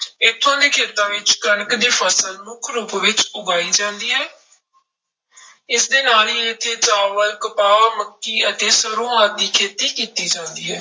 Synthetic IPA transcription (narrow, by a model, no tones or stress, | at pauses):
ɪt̪ʰːãːd̪iːkʰeːt̪ãːʋɪt͡ʃkənəkd̪iːpʰəsəlmʊkʰɾuːpʋɪt͡ʃʊɡaːiːd͡ʒãːnd̪iːɦɛː | ɪsd̪eːnaːliːɪt̪ʰːeːt͡ʃaːʋəlkəpaːməkːiːət̪eːsəɾõːaːt̪̚d̪iːkʰeːt̪iːkiːt̪iːd͡ʒãːnd̪iːɦɛː